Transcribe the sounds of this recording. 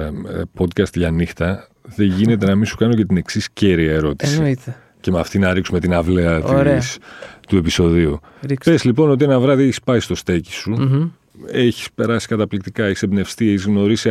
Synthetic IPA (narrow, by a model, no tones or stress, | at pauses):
ɐpo̞d̪kɐst̪ʝɐnixt̪ɐ | ðe̞ʝine̞t̪̬e̞nɐminsukɐno̞ce̞t̪ine̞ksisce̞ɾiɐeɾo̞t̪isiit̪e | ce̞mɐft̪inɐɾiksume̞t̪inɐvleɐt̪ɾest̪ue̞piso̞ðiu | ɾipezlipo̞no̞t̪̬ienɐvɾɐðieçi̥spɐist̪o̞st̪eci̥su | e̞çi̥spe̞ɾɐsi̥kɐt̪ɐplik̚t̪ikɐe̞çi̥sebne̞fst̪ieçizɣno̞ɾisi